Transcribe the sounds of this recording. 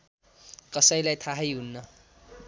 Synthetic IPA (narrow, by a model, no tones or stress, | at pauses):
kʌsʌjlajt̪ʰaɦʌjɦunːʌ